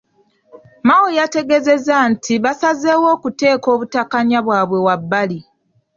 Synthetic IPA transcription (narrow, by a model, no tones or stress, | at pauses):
mawojate̞ɡe̞ze̞zantʰiβasazewo̞ːkute̞ːko̞ːβutakaɲaβwaːβwe̞wabːali